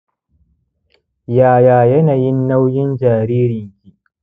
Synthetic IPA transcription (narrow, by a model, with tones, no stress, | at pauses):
jaː˨jaː˨jɐ˦naː˨jɪ˦nːa˦wjɪ˦nd͡ʒaː˨ɾiː˦ɾɪ˨ŋkʲiː˦